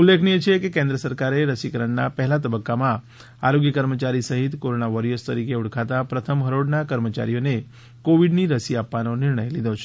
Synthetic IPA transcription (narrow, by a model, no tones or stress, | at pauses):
ulːekʰniet͡ʃʰekekẽnd̪ɾəsəɾkaɾeɾəsikəɾəɳnapəɦlat̪əbəkːamã | aɾoɡjəkəɾmət͡ʃaɾisəɦit̪koɾonaʋəɾiəst̪əɾikeuɽkʰat̪apɾət̪ʰəmɦəɾoɽnakəɾmət͡ʃa̰ɾijone | koʋiɖniɾəsiapʋanonɪɾɳəjlid̪ot͡ʃʰe̥